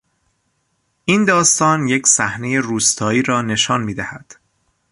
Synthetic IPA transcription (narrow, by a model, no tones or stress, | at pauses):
ʔiːnd̪ɒːst̪ɒːnje̞cʰsæhne̞je̞ruːst̪ʰɒːiːɾɒːne̞ʃɒːnmiːd̪æhæd̪̥